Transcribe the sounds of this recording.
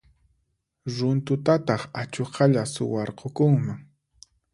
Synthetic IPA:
ɾʊnt̪ʊt̪at̪ɑχat͡ʃoqʰɑʎasʊwɑɾqokʊŋmaŋ

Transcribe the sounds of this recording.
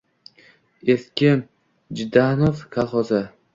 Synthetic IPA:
eskʲɪn | d͡ʒɪd̪ahnofkʰalˠχɒza

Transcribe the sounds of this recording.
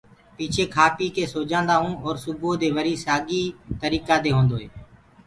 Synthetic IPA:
piːt͡ʃʰeːkʰaːpiːkeːsoːd͡ʒãːnd̪aːɦũːɔːɾsʊboːd̪eːʋəɾiːsaːɡiːt̪əɾiːkaːd̪eːɦõːnd̪oːɦḛː

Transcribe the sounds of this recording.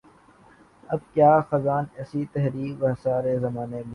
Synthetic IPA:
ɐb̚kjaːxɐzaːnɛːsit̪ɛɦɾiːkʋɐɦsaːɾezɐmaːneb

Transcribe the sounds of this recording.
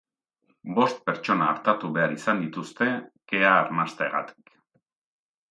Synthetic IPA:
bo̞st̪̚pe̞ɾt͡ʃo̞naːɾt̪at̪uβe̞aɾisand̪it̪ust̪e̞ke̞aːɾnast̪eeɣa̰t̪i̥k

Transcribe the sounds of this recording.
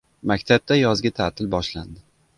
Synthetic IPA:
makʲt̪ʰab̚t̪ajɒzɡʲat̪ʰat̪ʰɪlbɒʃland̪ɪ

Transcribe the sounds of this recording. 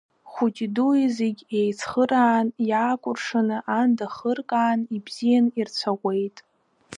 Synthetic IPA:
χʷut͡ʃʲʼiduizeɡʲejt͡sʰχəɾaːnjaːkʷʼʊrʂanɨʔandaχərkʼaːnibz̥ijanirt͡sʷʰaʁʷe̞jtʼ

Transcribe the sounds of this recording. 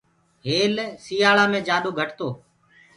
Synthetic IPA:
ɦeːlsiːaːɭaːmẽːd͡ʒaːɗoːɡʱəʈt̪oː

